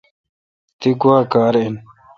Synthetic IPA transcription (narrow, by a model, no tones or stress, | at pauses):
t̪iɡuaːkaːɾin